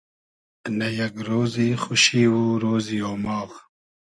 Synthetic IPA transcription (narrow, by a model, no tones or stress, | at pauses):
nɐjɐɡɾoːzixʊʃiwuɾoːzioːmɑːɣ